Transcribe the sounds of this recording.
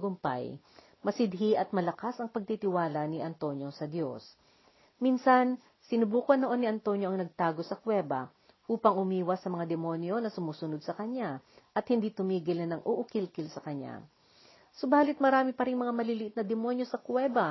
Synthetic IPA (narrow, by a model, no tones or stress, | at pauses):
ɡʊmpa̰j | mɐsɪd̪̚ɦiʔɐt̪̚mɐlɐkasɐŋpɐɡ̚t̪it̪ɪwaːlɐnɪʔɐnt̪o̞njo̞sɐd̪jo̞s | minsɐn | sɪnʊbuːkɐnːoʔo̞nːɪʔɐnt̪o̞njo̞ʔɐŋnɐɡ̚t̪aːɡo̞sɐkwɛːbɐ | ʔuːpɐŋʔʊmiːwɐsɐmɐŋad̪ɛmo̞njo̞nɐsʊmuːsʊnod̪̚sɐkɐɲaʔɐt̪̚hɪnd̪it̪ʊmiːɡɪlnɐnɐŋʔoʔʊkɪlkɪlsɐkɐɲːa̰ | so̞baːlɪt̪̚mɐɾaːmɪpɐɾɪŋmɐŋamɐlilɪʔɪt̪nɐd̪ɛmo̞njosɐkwɛbɐ